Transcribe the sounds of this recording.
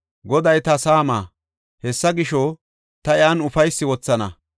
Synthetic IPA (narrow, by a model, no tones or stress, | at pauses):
ɡɔd̪ɐjt̪ɐsaːma̰ː | hɛsːɐɡɪʃɔ | t̪ɐjaːnʊfɐjsːɪwɔt͡sːɐnɐ